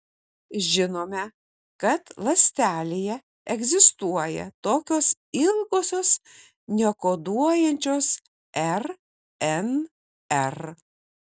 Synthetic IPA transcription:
ʒʲɪnoːmʲɛ | kɐt̪lˠɐsʲt̪ʲæːlʲejɛ | ɛɡʲzʲɪst̪uɔjɛ̰t̪oːkʲoːs | ɪlˠɡoːsʲoːs | nʲɛkoːd̪uɔjɛnʲt͡ʃʲoːs | ɛɾ | ɛn | ɛɾ

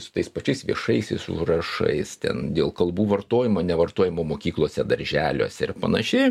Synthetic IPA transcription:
sʊt̪ɐɪspɐt͡ʃʲɛɪsʋʲiɛʃɐɪsʲɛɪsṵʒrɐʃɐ̰ɪst̪ʲɛ̰nd̪ʲeːlˠkɐlˠbuːʋɐrt̪oːjɪmoːnʲɛʋɐrt̪oːjɪmoːmoːkʲiːklˠoːsʲɛd̪ɐɾʲʒʲæːlʲo̰ːsʲɛɪrpɐnɐʃʲɪ

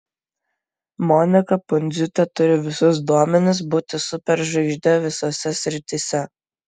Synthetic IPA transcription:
mɔnʲɪkɐpʊnʲd̪zʲʊt̪ʲɛt̪ʊɾʲɪʋʲɪsʊsd̪uɔmʲɛnʲɪs̬buːt̪ʲɪsʊpʲɛɾʒɐɪʒʲd̪ʲɛʋʲɪsosʲɛsʲɾʲɪt̪ʲɪsʲɛ

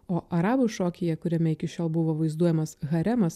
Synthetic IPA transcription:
oːʔɐɾɑːbʊʃoːkʲɪjɛkʊɾʲɛmʲɛɪkʲɪʃʲoːlˠbʊʋoːʋɐɪzd̪uɔjɛmɐsɣɐɾʲɛmɐs

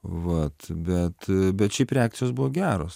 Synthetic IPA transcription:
ʋɐt̪bʲɛt̪bʲɛt̪t͡ʃʲɛːpɾʲeæːk̚tsʲɪjoːsbuʋoːɡʲæːɾoːs

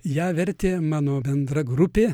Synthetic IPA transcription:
jæːʋʲɛɾʲt̪ʲeːmɑːnoːbʲɛnd̪ɾɐɡɾʊpʲeː

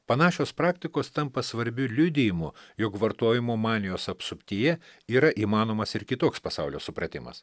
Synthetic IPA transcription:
pɐnɑːʃʲoːspɾɑːkt̪ʲɪkoːst̪ɐmpɐsʋɐɾʲbʲʊlʲʊd̪ʲɪjɪmʊjokʋɐɾt̪uɔjɪmumɑːnʲɪjoːsɐpsʊpʲt̪ʲijɛiːɾɐʔiːmɑːnoːmɐsɪɾkʲɪt̪oːkspɐsɑʊlʲoːsʊpɾɐt̪ʲɪmɐ̰s

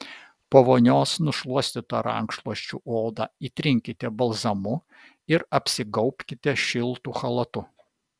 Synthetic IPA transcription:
poʋoːnʲoːsnʊʃlˠuɔsʲt̪ʲɪt̪ɐɾɐ̰ŋkʃlˠuɔʃʲt͡ʃʲuːʔoːd̪ɑ̰ːiːt̪ʲɾʲɪŋʲkʲɪt̪ʲɛbɐlˠzɐmʊ | ɪɾɐpʲsʲɪɡɒʊpʲkʲɪt̪ʲɛʃʲɪlˠt̪uːxɐlˠɐt̪ʊ

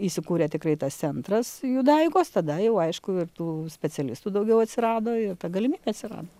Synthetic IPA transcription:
isʲɪkuːɾʲeːt̪ʲɪkrɐɪt̪ɐstt͡ssʲɛnt̪ɾɐsjud̪ɐɪɡoːst̪ɐd̪ɐjɛʊɐɪʃkʊɪrt̪uːsʲpʲɛt͡sʲɛlʲɪst̪uːd̪ɐʊɡʲɛʊɐt̪ʲsʲɪɾɑːd̪oːɪrt̪ɐɡɐlʲɪmʲiːbʲeːɐt̪ʲsʲɪɾɑ̰ːd̪oː

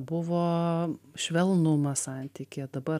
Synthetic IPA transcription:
bʊʋoːʃʲʋʲɛlˠnʊmɐsɑnʲt̪ʲiːkʲed̪ɐbɐ

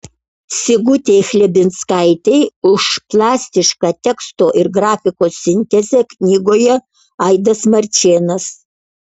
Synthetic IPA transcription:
sʲɪɡʊt̪ʲeːxʲlʲɛbʲɪnt̪skɐɪt̪ʲɛɪʊʃplˠɑːsʲt̪ʲɪʃkɑːt̪ʲɛkst̪oːʔɪɾɡɾɑːfʲɪkoːsʲːɪnʲt̪ʲɛzʲɛknʲiːɡoːjɛ | ɐɪd̪ɐsmɐɾʲt͡ʃʲeːnɐs

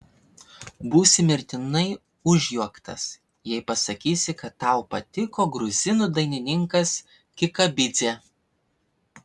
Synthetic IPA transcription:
buːsʲɪmʲɪɾʲt̪ʲɪnɐɪ | ʊʒʲjuɔkt̪ɐ̰s | jɛɪpɐsɐkʲiːsʲɪkɐt̪ːɑˑʊpɐt̪ʲɪkoːɡɾʊzʲɪnud̪ɐɪnʲɪnʲɪŋkɐs | kʲɪkɐbʲɪd̪zʲeː

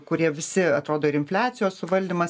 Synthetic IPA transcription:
kʊɾʲiɛʋʲɪsʲɪɐt̪ɾoːd̪oːɪɾɪnʲfʲlʲæːt̪sʲɪjoːssʊʋɐlʲd̪ʲiːmɐs

